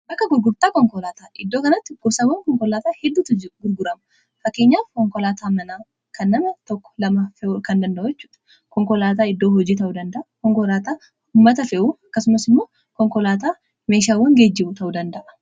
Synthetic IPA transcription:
bɐkːɐɡʊɾɡʊɾt̪aːkɔŋkɔlaːt̪aːʔɪd̪ːoːkɐnɐt̪ːɪɡ̥ʊbsaːwɐŋkɔŋkɔlaːt̪aːhɛd̪ːuːt̪ɡʊɾɡʊɾɐmɐ | fɐkːeːɲːaːfkɔŋkɔlaːt̪ʰaːmɐnaː | kɐnːɐmɐt̪ɔkːɔ̥lɐmafɛkɐnd̪ɐnd̪ɐʔʊjɛt͡ʃːuːd̪̥ɐ̥ | kɔŋkɔlaːt̪aːɪd̪ːo̞ːhɔd͡ʒiːt̪ɐʔuːd̪ɐnd̪ɐʔɐkɔŋkɔlaːt̪aː | ʊmːɐt̪ɐfɛʔuɐkːɐsʊmɐsɪmːoː | kɔŋkɔlaːt̪̬aː | me̞ːʃaːwɐŋɡeːd͡ʒːɪbʊt̪ɐʔuːd̪ɐnd̪ɐʔɐ

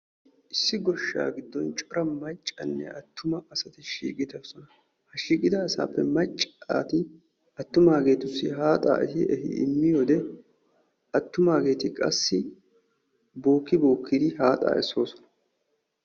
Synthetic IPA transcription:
ʔɪsːɪɡɔʃːa̰ːɡɪd̪ːɔnt͡ʃʼɔɾɐmɐt͡ʃʼːɐnːɛ̰ʔɐt̪ʰːʊmɐɐsɐt̪ɪʃḭːkʼɪd̪ɐsɔnɐ | hɐʃiːkʼɪd̪ɐːsa̰ːpːɛmɐt͡ʃʼːaːt̪ɪ | ɐt̪ːʊmaːɡe̞ːt̪ʊsːɪɦaːt̪ʼa̰ːʔɛsɪʔɛhɪ̰ɪ̰mːɪjoːd̪ɛ | ɐt̪ːʊmaːɡe̞ːt̪ɪkʼɐ̰sːɪ | bo̞ːkːɪbo̞ːkːɪd̪ɪɦaːt̪ʼa̰ːʔɛsːo̞ːsɔ̥nɐ

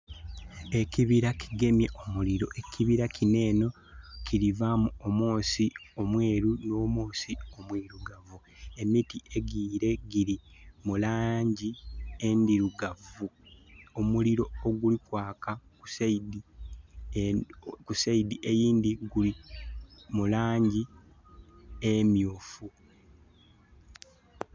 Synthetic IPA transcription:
e̞ciβiɾakʰiɡe̞mje̞ʔomuliɾo̞ʔe̞kʰiβiɾakʰine̞ːno̞ | cʰiɾivamuomoːsio̞mwe̞ːɾuno̞ːmoːsio̞mwiɾuɡavu | e̞mitie̞ɡiːɾe̞ɡiɾimulaːɲɟiendiɾuɡavuomuliɾo̞ːɡulikwaːkaku̥seidi | kuseidiʔe̞jiːndiɡuli | mulaːɲɟi | emjoːfu

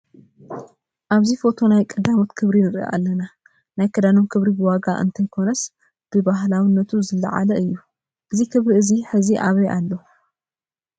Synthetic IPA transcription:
ʔaβzifo̞t̪ʰo̞najkʼɐd̪amo̞t̪kʰɨβɾinɨɾ̰ʔa̰lːɐna | najkʰɐd̪ano̞mkʰɨβɾibɨwaɡaʔɨ̰nt̪ʰɐjkʰo̞nɐs | b̥ɨbaɦlawɨnːɐt̪ʰuzɨlːɐ̰ʕa̰lɐʔɨjːu | ʔɨzikʰɨβɾiɨziħɨziʔaβɐjʔalːo̞

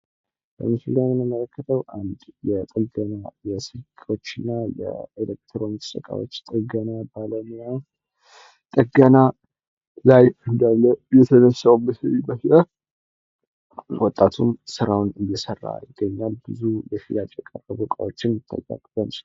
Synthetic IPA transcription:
b̥ə̰mɨslɡamɨnəmələkːət̪ʰəwʔand̪jɛt̪ʼəɡənajɛsɨlkʼo̞t͡ʃːɨnːajɛ̰ilek̚t̪ʰɾont̪ʰə̥sʼəkʼa̰wo̰t͡ʃːt̪ʼəɡənabaləmia | t̪ʼəɡəna | lajɨnd̪alːəjɛt̪ʰənəsːawmbəsəβibəhlə | wɔt̪ʼːat̪ʰumsɨɾawnɨjjɛsərːa̰jɪɡːəɲːalbɨzujɛfilat͡ʃ̪ʼjɛkʼərəbukʼa̰wot͡ʃːɪnt̪ʰːə̰ja̰kʼbən

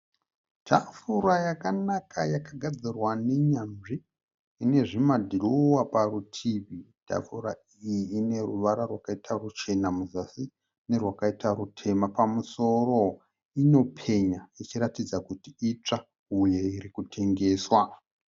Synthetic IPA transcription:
tʰafuɾajakanakʰajakaɡʱad͡zirwane̞ɲamʐiː | ne̞ʐimadʱilowaparutʰiβitʰa̰fuɾa | ijiːne̞ruʋaɾarwakaitarut͡ʃe̞namuzasi | ne̞rwakaitaɾutʰe̞mapamuso̞ro | ino̞pʰe̞ɲait͡ʃiɾatid͡zakutiit͡ʂa | ujeiɾikutʰe̞ŋɡe̞ːswa

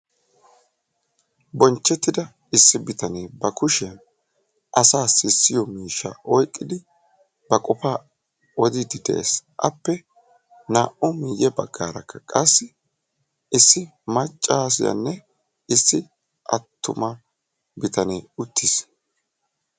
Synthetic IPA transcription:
bɔnt͡ʃːɛt̪ːɪd̪ɐ | ɪsːɪbɪt̪ɐneːbɐkʊʃɛ | ʔɐsaːsɪsːɪjɔmiːʃːɐ̰ʔɔjkʼːɪd̪ɪ | bɐkʼɔfaː | ɔd̪ɪd̪ɪd̪ḛːsʔɐpːɛ | naːʔɔmɪjɛbɐɡːaːɾɐ̰kʰːɐkʼɐsːɪ | ɪsːɪ | mɐt͡ʃʼːaːs̬ɪjɐ̰nːɛ | ɪsːɪ | ʔɐ̰t̪ʰːʊ̰mɐ | bɪt̪ɐneːʊt̪ʰːis

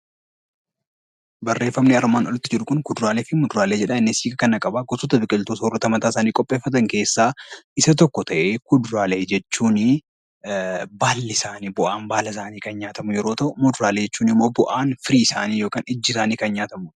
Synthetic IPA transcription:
bɐrːe̞ːfːɐmniɐɾmaːnɔlɪt̪ːɪd͡ʒɪɾʊkʊnkʊd̪ʊɾaːleːfɪmʊd̪ʊɾaːleːd͡ʒɛᶑɐɪnːɪsiːɡkɐkɐnɐkʼɐbaːɡɔsɔt̪ɐbɪkʼɪlt̪oːsɔːrːɐt̪ɐmɐt̪aːɪsaːniːkʼɔpʼːe̞ːfːɐt̪̬ɐŋke̞ːsːaːʔɪsɐt̪̬ɔkːɔt̪ɐʔeːkʊd̪ʊɾaːle̞ːd͡ʒɛt͡ʃːuːnɪ | baːlːɪsaːniːbʊʔaːnbaːlɐs̬aːniːkɐnɲaːt̪ɐmʊjɛɾo̞ːt̪ɐʔʊmʊd̪ʊɾaːleːd͡ʒɛt͡ʃːuːnɪmːo̞ːbʊʔaːnfɪɾiːɪsaːniːjo̞ːkaːnɪd͡ʒːɪsaːniːkɐnɲaːt̪ɐmʊ

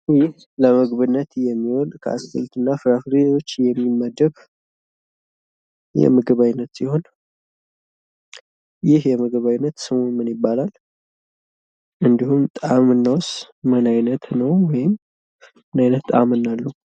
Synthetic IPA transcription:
jɪh | ləmɨɡβɨnːət̪jɛmːiwɔlkʰəa̰skɨ̰lt̪ɨnːafɨɾafɾeo̞t͡ʃːjɛmːimːəd̪ːəβ | jɛ̰mɨɡɨβajnːət̪siho̞n | jɪhjɛmɨɡɨβajnːət̪sɨmonmɨnjɪbːalal | ʔɨnd̪ihumt̪ʼamɨnːaws | mɨnajnət̪nəwwɔjɪmː | ɨnajnət̪t̪ʼa̰mɨnːalːu

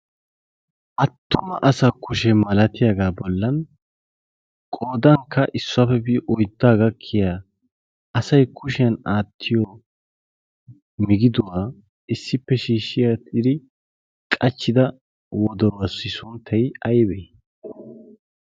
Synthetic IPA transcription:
ʔɐt̪ːʊmɐʔɐsakʊʃɛmɐlɐt̪ɪjaɡaːbɔlːɐn | kʼoːd̪ɐŋkʰːɐʔɪsːʊɐfɛbiʔɔjd̪ːaːɡɐkʰːɪjaː | ɐsɐjkʰʊʃɪjɐnaːt̪ʰːɪjɔ | mɪɡɪd̪ʊwaː | ɪsːɪpːɛʃiːʃːɪjat̪ɪd̪ɪ | kʼɐt͡ʃːɪd̪ɐ | wɔd̪ɔɾwɐsɪsʊnt̪ʰːɐjɐjbɛj

